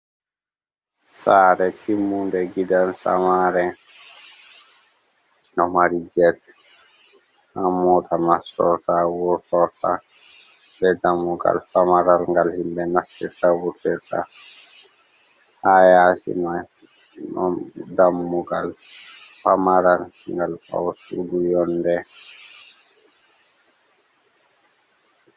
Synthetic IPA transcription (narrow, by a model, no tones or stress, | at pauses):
saːɾɛtimːundɛɡidansa̰maːɾɛ | nɔmaɾid͡ʒɛt̪ | hamːɔt̪ʰamasɔ̰tawɔtɔta̰ | bɛd̪amːuɡa̰lfamaɾalŋɡalhimbɛnasiɾtawutːiɾta̰ | hajasḭma | nɔdamːuɡal | famaɾal | ŋɡalpa̰wsudujɔndɛ